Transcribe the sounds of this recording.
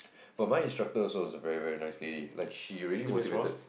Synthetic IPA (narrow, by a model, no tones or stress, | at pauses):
b̥ɔmaɪĩnstɹak̚təɔsowɔzəvɛɹivɛɹinaɪsledila̰ɪkʃiɹiəlimotivtə